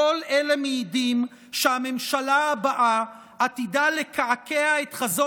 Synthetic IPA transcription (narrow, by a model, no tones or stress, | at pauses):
olʔelemeidim | ʃeame̞mʃalaabaʔa | at̪idalekaakeaet̪χazo